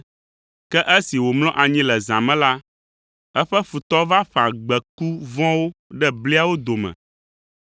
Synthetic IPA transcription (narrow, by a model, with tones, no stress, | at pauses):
kɛ˦ʔɛ˦si˨wo˨ml̃ɔ̃˦ʔa˨ɲĩ˦lɛ˨zã˨mɛ̃˦la˦ | ɛ˦ɸɛ˦fu˨t̪ɔ˦va˦ɸã˨ɡ͡bɛ˨ku˦vɔ̃˦wo˦ɖɛ˦bli˦a˦˨wo˦d̪o˨mɛ̰̃˨